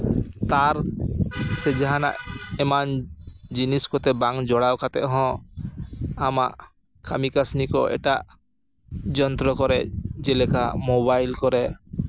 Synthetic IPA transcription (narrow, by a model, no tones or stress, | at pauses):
t̪aɾ | sɛd͡ʒaɦana̰ʔɛmand͡ʒiniskɔt̪ɛbaŋd͡ʒɔɽawkat̪ɛʔɦɔ̃ | ama̰ʔ | kamikasnikɔ̰ɛ̰ʈaʔ | d͡ʒɔnt̪ɾɔkɔɾɛd͡ʒɛlɛkʰamɔbajlkɔɾɛ